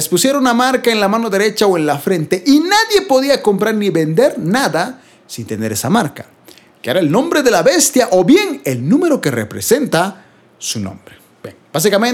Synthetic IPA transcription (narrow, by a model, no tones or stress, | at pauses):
espusje̞ɾaunamaɾkaenlamano̞ðe̞ɾe̞t͡ʃaoe̞nlafɾe̞nt̪e̞ʔinaðje̞po̞ðiako̞mpɾaɾniβe̞nd̪e̞ɾnaða | sint̪e̞ne̞ɾe̞samaɾka | keeɾaelnõ̞mbɾe̞ðe̞laβe̞st̪jaʔo̞bje̞ŋe̞lnũme̞ɾo̞kerḛpɾe̞se̞nt̪a | sunõ̰mbɾe | b̥jeŋbas̬ikamen